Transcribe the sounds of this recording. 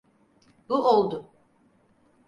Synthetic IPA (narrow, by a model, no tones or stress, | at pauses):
buʔolˠd̪ʊ